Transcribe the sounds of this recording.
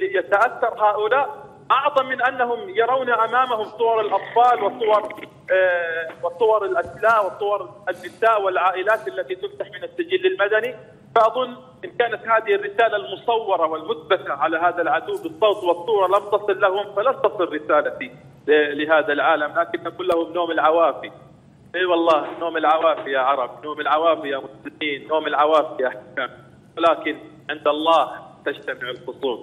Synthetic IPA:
ljat̪aʔaθːɑɾˤɦaːʔʊlaːʔ | ʔɑʕðˤɑmːɪnʔanːaɦʊmjɑɾˤawnaʔamaːmahʊmsˤʊwɑɾˤɑlʔɑt̪ˤfɑːlwɨsˤʊwɑɾˤ | wɪsˤʊwɑɾˤɪlʔaslaːʔwɪsˤʊwɑɾˤanːɪsaːʔwɪlʕaːʔɪlaːt̪ʔalːat̪it̪ʊft̪aħmɪnasːɪd͡ʒɪlːɪlmad̪ani | faʔɑðˤʊnː | ʔɪnkaːnat̪haːðɪhɪrːɪsaːlalmʊsˤɑwːɑɾˤɑwɪlmʊd̪̚bakaʕalaɦaːðalʕad̪uwːbɨsˤːoːt̪wɨsˤːuːɾˤɑlamt̪ɑsˤɨlːahʊmfalamt̪ɑsˤɨɾːɪsaːlafi | lɪɦaːðalʕaːlamlaːkɪnʔaɡuːlːahʊmnoːmɪlʕawaːfi | ʔeːwɑlˤːɑːhnoːmɪlʕawaːfɪjaʕɑɾˤɑbnoːmɪlʕawaːfɪjamʊslɪmiːnːoːmɪlʕawaːfɪjaħakaːm | wɪlaːkɪn | ʕɪnd̪ʔɑlˤːɑːht̪ad͡ʒt̪amɪʕɪlqʊsˤuːl

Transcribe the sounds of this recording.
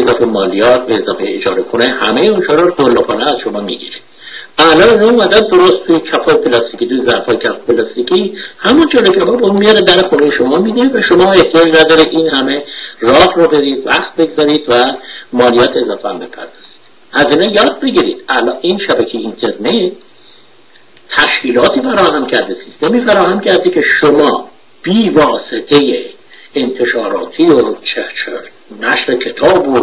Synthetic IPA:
ezɒːfemɒːlijɒːt̪̚beːzɒːfejed͡ʒɒ̰ːɾekonehæmejeunʃʰɒːɾɔɾd̪olopʰɒːneæz̥ʃomɒːmḭɡḭɾe̥ | ælɒːninɒumæd̪ænd̪oɾost̪ʰːujecʰæfɒːjepʰelɒst̪icʰit̪ujezæʔfɒːjecʰæfpelɒst̪icʰihæmund͡ʒolocʰæfɒːbeunmijɒɾed̪æɾexunejeʃomɒːmid̪iivæʃomɒːeht̪ijɒːd͡ʒnæd̪ɒːɾeʔiːnhæme̞rɒːhɾɔbe̞ɾiːd̪væ̰χt̪̚be̞ɡzɒɾid̪væmɒːlijɒːt̪ʰezɒːfeæ̰mbe̞̰pʰæ̰ɾd̪ɒːz̥i̥d̪̥ | hæziːnejɒːd̪̚be̞ɟiɾḭːd̪̥ælɒʔiːnʃæbæcʰejeint̪ʰe̞ɾnet̪̚ | t̪ʰæʃciːlɒːt̪ʰiːfæɾɒːhæmcʰæɾd̪esist̪e̞miːfæɾɒːhæmcʰæɾd̪ecʰe̞ʃomɒː | b̥iːvɒːse̞t̪ʰe̞je | ent̪ʰe̞ʃɒːɾɒ̰ːt̪ʰiot͡ʃʰet͡ʃʰe | næʃɾecʰe̞t̪ʰɒːbo

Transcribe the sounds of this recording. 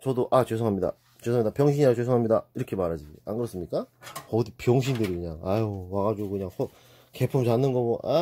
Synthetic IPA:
t͡ɕʌdoʔat͡ɕwesʰʌŋɦamɲida̰ | t͡ɕwesʰoŋmɲid̪apjʌŋɕ̬ʰiɲat͡ɕwesʰoŋɦamɲidaiɾʌkʰe̞maɾad͡ʑiɡianɡɯɾʌs͈ɯmɲik͈akʌdipjʌŋɕ̬ʰindɯɾikɯɲaŋajowaɣad͡ʑuɡokɯɲaŋkot | ke̞pʰɯmt͡ɕanːɯnɡʌmʌʔa̰

